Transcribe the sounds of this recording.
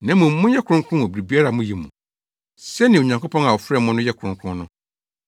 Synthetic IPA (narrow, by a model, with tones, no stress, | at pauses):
nã˦mʊ̃˨m̩˦mʊ̃˦jɛ˦kʰʊ̃˦ŋ˦kʰʊ̃˦nʊ̃˨bɾi˨bi˦a˦ɾa˨mʊ̃˦ji˨mũ˨ | sɛ˦nɪ̃˨o˨ɲã˨ŋko˦pʰɔ̃˦na˨wɔ˨fɾɛ˦mʊ̃˦nʊ̃˦jɛ˦kʷʰʊ̃˨ŋkʰʊ̃˦nʊ̃˦